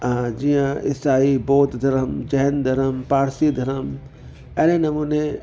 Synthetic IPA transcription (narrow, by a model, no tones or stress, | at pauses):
d͡ʒijãɪ̰saːiboːt̪d̪ʱɐɾəmd͡ʒɛɦnd̪ʱɐɾəmpaːɾsid̪ʱɐɾəm | ɛːnenɐmuːne